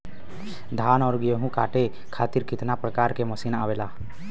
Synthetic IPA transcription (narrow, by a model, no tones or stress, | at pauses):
d̪ʱaːnɔːɾɡeɦũkaːʈe | kʰaːt̪ɪɾkɪt̪napɾəkaːɾkeməsiːnaːʋeːlaː